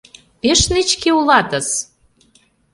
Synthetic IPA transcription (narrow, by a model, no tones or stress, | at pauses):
peʃnit͡ɕkeulɑt̪ə̆s